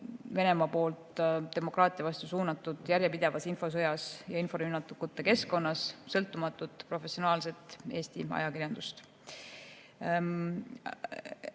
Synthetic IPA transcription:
ve̞ne̞mɑpo̞ːlt̪ˑd̪̥e̞mo̞krɑːt̪ˑijɑvɑst̪usuːnɑt̪ːˑud̪̥jæɾjepid̪̥e̞vɑsinfo̞s̬ɤjɑsjɑinfo̞ɾynːɑt̪ːukːut̪ːeke̞sko̞nːɑssɤlt̪ːˑumɑt̪ːˑud̪̥pro̞fe̞sio̞nɑːlse̞t̪ˑːeːst̪ḭɑ̰jɑkirjɑnd̪̥ust̪

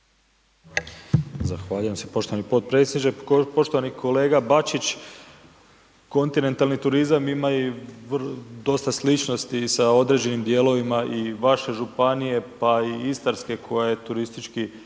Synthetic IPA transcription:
zaxʋaːʎuje̞msepo̞ʃt̪o̞ʋanipo̞t̪̚pɾe̞t̪sed̪nit͡ʃepo̞ʃt̪o̞ʋanikʰo̞le̞ːɡabat͡ʃit͡ɕ | ko̞nt̪ine̞nt̪alnit̪uɾizamimaiʋd̪o̞st̪aslit͡ʃno̞st̪isao̞d̪ɾe̞d͡ʑe̞nimd̪je̞ːlo̞ʋimaʔiʋaʃe̞ʒupanije̞paiist̪aɾske̞kʰo̞jaje̞t̪uɾist̪it͡ʃki

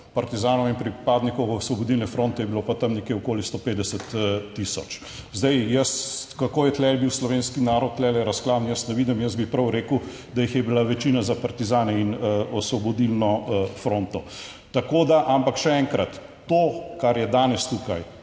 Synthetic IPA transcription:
pɐɾt̪izaːnɔinpɾipaːd̪nikɔwɔsʋɔbɔd̪ilnɛfɾõːnt̪ɛjɛbilopat̪ɐmnekeokoːlist̪opeːd̪d̪ɛsət̪ːisɔt͡ʃ | zd̪ɐjjəskakoːjɛt̪lɛlbiwslɔʋeːnskinaːɾɔt̪̚t̪ːlɛlɛɾɐsklaːd̪njəst̪nɛʋiːd̪imjəst̪bipɾɐwɾeːkəw | d̪ajixjɛbilaʋɛt͡ʃinazapɐɾt̪izaːnɛinɔsʋɔbɔd̪ilnɔfɾont̪ɔ | t̪akod̪aʔampakʃɛɛŋkɾɐt̪ː | okaɾjɛd̪aːnɛst̪ukaj

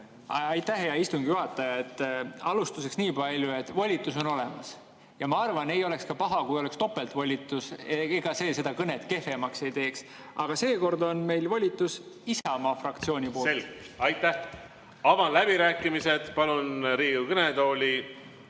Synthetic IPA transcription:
ɑjt̪ːˑæɦejɑist̪uŋɡ̥ijuɦɑt̪ːˑɑjɑet̪ːɑlust̪use̞ksniːpɑlʲjue̞t̪ːˑvolʲit̪ːˑus̬o̞no̞le̞mɑs | jɑmɑɑrvɑne̞jo̞le̞kskɑpɑɦɑkujolekst̪o̞pːˑe̞lt̪volʲit̪ːˑuseeɡ̥ɑse̞ːse̞d̪ɑkɤne̞t̪ke̞femɑkse̞jt̪e̞ːks | ʔɑɡ̥ɑse̞ːko̞rd̪o̞nme̞jlvolʲit̪ːˑusisɑmɑfrɑkt̪sio̞ːnʲipoːselɡɑjt̪ːæh | ɑvɑnlæb̥iɾæːkːˑimise̞d̪̥pɑlunɾiːɡukɤnet̪o̞ːlʲi

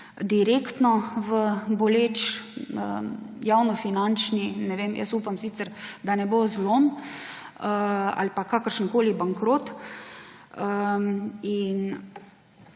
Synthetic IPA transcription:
d̪iɾeːkt̪nɔʋəbɔleːt͡ʃəjawnɔfinant͡ʃninɛʋeːmjə̰supamsiːt̪səɾd̪anɛbozlom | əa̰lpakakəɾʃənkoːlibaŋkɾoːt̪ | ə | in

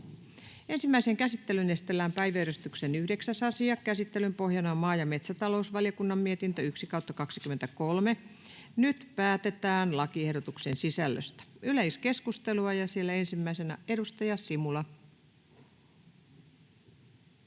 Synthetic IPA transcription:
ensimːæiseŋkæsit̪ːelynest̪elːæːmpæiʋæyɾyst̪yksenyhdeksæsɑsiɑkkæsit̪ːelympohjɑnɑmɑːjɑme̞t̪sæt̪ɑlousʋɑljɑkunːɑmmiet̪int̪øyksikɑut̪ːɑkɑksikyment̪ækolme | nyt̪pæːt̪et̪æːnlɑkiehdot̪uksensisælːø̰st̪æ̥yleiske̞skust̪eluɑjɑsielːæensimːæisenæ̰edust̪ɑjɑsimulɑ

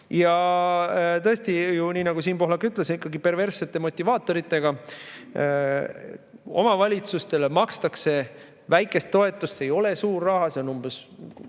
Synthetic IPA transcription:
jɑ | t̪ɤest̪ijuniːnɑɡ̥usiːnpo̞ɦlɑkːyt̪ˑlesikːˑɑɡipe̞rve̞rsːe̞t̪ˑːe̞mo̞t̪ʲːˑivɑːt̪ːˑo̞ɾit̪ːˑe̞ɡ̥ɑ | o̞̰mɑvɑlʲit̪sust̪e̞lemɑkst̪ɑkse̞ | væjkːˑe̞st̪ːo̞e̞t̪ːˑust̪sejo̞le̞suːrːɑhɑse̞o̞numb̥es

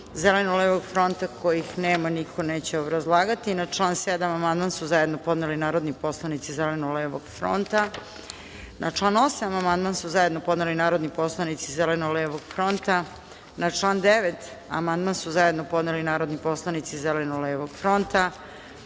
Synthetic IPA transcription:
zelenoleʋoɡfɾo̞nt̪akojixneːmanikʰo̞neːt͡ɕeobɾazlˠaːɡat̪inaʈ͡ʂlˠaːnsed̪amamand̪mansuzajed̪nopo̞d̪nelinaːɾod̪nipo̞slˠanit̪sizelenoleʋoɡ̥fɾo̰nt̪a | nat͡ʂlˠaːno̞samamand̪mansuzajed̪nopod̪nelinaːɾo̞d̪nipo̞slˠanit̪sizelenoleʋoɡ̥fɾo̞nt̪a | nat͡ʂlˠaːnd̪eʋet̪ | a̰mand̪mansuzajed̪nopod̪nelinaːɾo̞d̪nipo̞slˠanit̪sizelenoleːʋoɡfɾo̞nt̪a

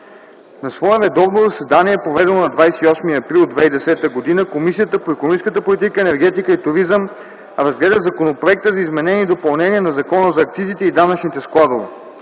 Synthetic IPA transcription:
nɐsvɔɛvɛd̪ɔvnozɐsɛd̪aniɛpɾovɛd̪ɛnonɐd̪vajsɛiɔsmiəɐpɾilˠd̪vɛid̪ɛsɛt̪əɡod̪inəkomisijət̪əpoɛkonomiskət̪əpolit̪̬ikəɛnɛɾɡ̟ɛt̪ikəit̪uɾizəm | ɾɐzɡlɛd̪əzɐkonopɾoɛk̚t̪əzɐizmɛnɛniːd̪opɐlˠnɛnʲiɛnɐzɐkɔnəzɐːkt̪sizit̪ɛid̪anət͡ʃnit̪ɛsklˠad̪ovə̰

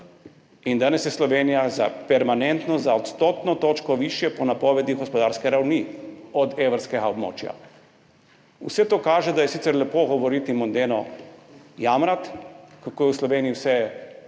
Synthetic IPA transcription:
ind̪aːnɛsjɛslɔʋenijaza̰pɛɾmanɛnt̪nɔzaɔt̪st̪oːt̪nɔt̪oːt͡ʃkɔʋiːʃjɛpɔnapɔːʋɛd̪iɣɡɔspɔd̪aːɾskɛɾawniɔd̪eʋɾskɛɡaɔbmo̰ːt͡ʃja̰ | usɛt̪oːkaːʒɛd̪ajɛsit̪sɛɾlɛpoɡɔʋɔɾit̪imɔnd̪eːnɔ | jamɾat̪kakoːjɛwslɔʋeːniiwsɛ

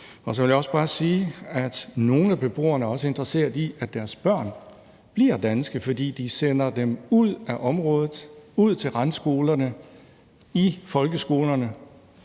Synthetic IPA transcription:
ɒ̽s̬ɒʋe̝ljaɒ̽sb̥ɑ̈ːsiːæd̥no̝ːn̩æb̥e̝b̥ʁo̝̰ːɐnəɒ̽səe̝nd̥ʁɐse̝̰ːɐðˠiæ̥æɐsb̥ɶɐ̰n | b̥liɐ̰d̥ænsɡ̥əfɒ̽d̥ḭːd̥isen̰ɐd̥emuð̰ˠæʔɒ̽mʁɔ̽ːðˠð̩ˠuð̞̰ˠt͡sʰe̝lʁɑnsɡ̥o̝ːlɐnə | ifɒ̽lɡ̥əsɡ̥o̝ːlɐnə

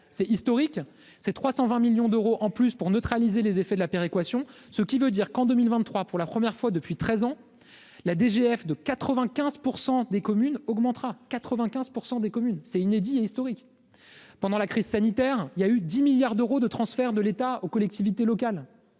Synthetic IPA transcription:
sɛist̪ɔʁik | sɛt̪χwasɑ̃vɛ̃miljɔ̃d̪øʁoʔɑ̃plyspuʁnøt̪χalizelezefɛd̪əlapeʁekwasjɔ̃ | səkʲivød̪iʁkɑ̃d̪ømilvɛ̃t̪ːχwapuʁlapχəmjɛʁfwad̪əpɥit̪χɛzɑ̃ | lad̪eʒeɛfd̪əkat̪χəvɛ̃kʲɛ̃zpuʁsɑ̃d̪ekɔmynɔɡmɑ̃t̪χakat̪χəvɛ̃kʲɛ̃zpuʁsɑ̃d̪ekɔmynsɛined̪ieist̪ɔʁik | pɑ̃d̪ɑ̃lakχiz̥sanit̪ɛʁiljayd̪imiljaʁd̪øʁod̪ət̪χɑ̃sfɛʁd̪əlet̪aokɔlɛk̚t̪ivit̪elɔkal

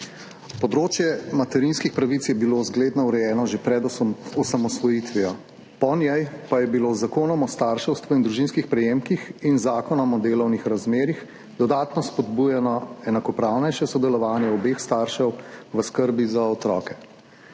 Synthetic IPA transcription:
pɔd̪ɾoːt͡ʃjɛmat̪ɛɾinskixpɾaʋit̪sjɛbilozɡleːd̪nɔuɾɛjɛːnɔʒepɾɛd̪ɔɔsamɔsʋɔjit̪ʋijɔ | pɔnjɛjpajɛbilozakoːnɔmɔst̪aːɾʃɛwst̪ʋɔind̪ɾuʒinskixpɾɛjeːmkixinzaːkɔnɔmɔd̪eːlɔwnixɾazmeːɾix | d̪ɔd̪aːt̪nɔspɔd̪bujɛnɔɛnakɔpɾawnɛjʃɛsɔd̪ɛlɔʋaːnjɛɔbeːxst̪aːɾʃɛwʋəskəɾbizaɔt̪ɾɔːkɛ

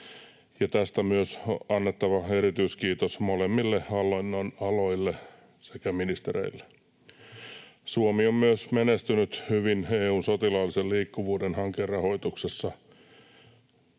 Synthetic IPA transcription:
jɑt̪æst̪æmyøsoɑnːet̪ːɑʋɑe̞ɾit̪yiskiːt̪osmolemːilːeɑlonːonɑlojlːe | sekæminist̪eɾḛilːe̥ | suomiommyøsmenest̪ynyt̪hyʋineːuːnsot̪ilɑlːiselliːkːuʋuːdenhɑŋkerːɑho̞it̪uksesːɑ

